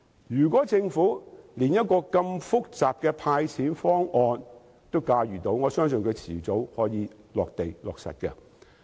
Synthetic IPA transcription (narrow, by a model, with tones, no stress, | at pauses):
jyː˨˩kʷɔː˨˥t͡sɪ˧ŋfuː˨˥liː˨˩njɐ˥t̚kɔː˧kɐ˧mfʊ˥k̚t͡saː˨p̚kɛː˧pʰaː˧jt͡sʰiː˨˥nfɔː˥ŋɔː˧n | t̪o˥wkaː˧ɥyː˨˩t̪o˨˥wŋɔː˨˧sœː˥ŋs̬ɵ˨nkʰɵ˨˧ɥt͡sʰiː˨˩t͡so˨˥whɔː˨˥jiː˨˧ | lɔː˨k̚t̪e˨jlɔː˨k̚sɐ̰˨t̚kɛ̰˧